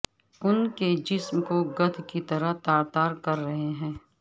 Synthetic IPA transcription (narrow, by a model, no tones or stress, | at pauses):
ʊnked͡ʒɪsmkoɡɐt̪ʰkit̪ɐɾəɦt̪aːɾt̪aːɾkɐɾːɐɦeɦɛ̃ː